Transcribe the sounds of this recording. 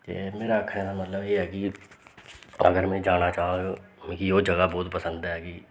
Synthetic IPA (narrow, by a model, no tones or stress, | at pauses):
t̪ḛːmeːɾaːəkʰːaɛːnaːmət̪ləbeːɦɛːkɪ | ə̰ɡəɾmɛ̃ːd͡ʒaːnaːt͡ʃaːãɡamkioːd͡ʒəɡaːbɔːt̪pəsə̃nd̪ɛːkɪ